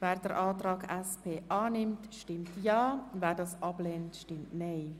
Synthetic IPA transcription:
vɛːɾdəɾʔɑːtɾɑːɡɛspeːʔɑːnɪmtʃtɪmtjɑːvɛːɾdɑːsʔɑbleːntʃtɪmtnɛeɪ

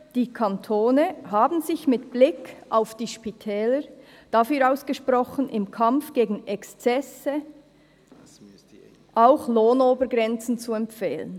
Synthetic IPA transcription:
d̥iːkʰantʰoːnəɦaːbn̩zɪçmɪtb̥lɪkʔaʊfd̥iːʃpitʰɛːlə | d̥afyːɾaʊsɡ̥əʃprɔχənʔɪmkʰamfɡ̥eːɡn̩ɛkst͡sɛsə | ʔaʊxloːnoːbəɡʁɛnt͡sn̩t͡suɛmfeːlə̰n

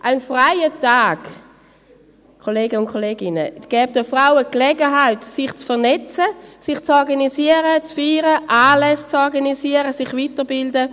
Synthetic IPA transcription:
ʔaɪnfʁaɪətaːɡ̥ | kʰoleːɡəʊntkʰoleːɡɪnəɡ̥ɛːp̚d̥əfʁaʊəklɛɡəɦaɪtsɪχt͡sfɛɐnɛt͡səsɪχt͡sɔʁɡanisiəʁət͡sfyːʁəʔaːlɛst͡sɔʁɡanisiəʁəsɪχvitəʁbɪldə

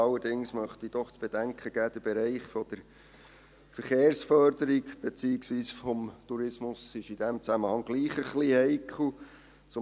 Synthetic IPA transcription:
ɑlːəɾdɪŋsmœχt̪id̥ɔχt͡sb̥ed̥æŋkχəɡ̥æd̥̪əb̥eɾɛɪχfɔd̥̪əɾ | fəɾχeːɾsfœɾdəɾikb̥et͡siːɪksviːsfɔmt̪uɾɪsmʊsɪʃid̥̪æmt͡sæməhɑŋɡ̥liːχəχlihɛɪkʰl̩ | t͡sʊ

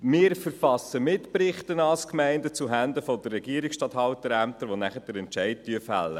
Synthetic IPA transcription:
mɪːɾfəɾfɑsːəmɪtprɪχtənɑlskmæɪndət͡suɦændəfɔd̪ərːɛɡiəɾiksʃtɑtɦhɑwtəɾæmtəɾʋonæχəd̥əɾɛntt͡ʃæɪt̚tyəfæ̰lːə

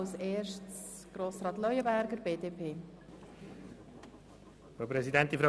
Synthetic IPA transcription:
wseːrʃts | ɡ̥ɾoːsɾɑːt̪lœʏəbæɾɡəɾbeːdeːpʰeː | fɾopɾɛsidɛnt̪̚difɾa

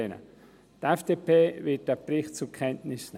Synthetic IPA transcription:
enə̰ | d̥ɛfd̥eːpʰeːvɪt̚d̥eːɐpʁɪχt̚t͡sukʰɛntnɪsn̩

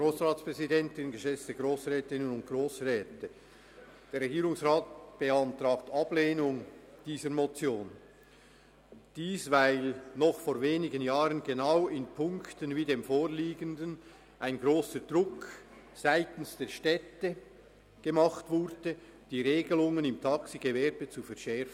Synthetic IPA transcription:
ɡroːsʁaːtspʁ̥ɛzidɛntɪnɡəʃɛt͡stəɡʁoːsʁɛːtɪnənʊnt̚ɡ̥roːsrɛːtə | d̥eːɾʁɛɡiːɾʊŋsʁaːt̚b̥əɑntɾaːktɑbleːnʊŋd̥iːzəɾmot͡sjoːn | d̥iːsvaɪlnɔχfoːɾveːnɪɡənjaːɾənɡenaʊɪnpʰʊŋktənviːdeːmfoːʁliːɡəndən | ʔaɪnɡɾoːsəd̥ʁʊk | z̥aɪtən̩sd̥eːʃtɛtə | ɡ̥emɑχtvʊɾd̥ə | d̥iːɾeːɡəlʊŋənɪmtʰɑksiɡevɛɾbət͡sufɛʁʃɛʁfn̩

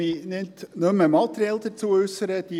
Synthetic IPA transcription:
inɪt̪nømːəmɑt̪ɾɛld̪əɾt͡suəʉsəɾəd̥̪i

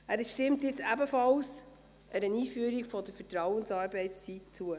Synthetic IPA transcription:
æːɾʃtɪmtjɪt͡sæbəfɑls | ʔɛɾəniːfyəɾikfɔd̪əfətɾɑwənsɑːɾbɛɪtst͡sitt͡suə

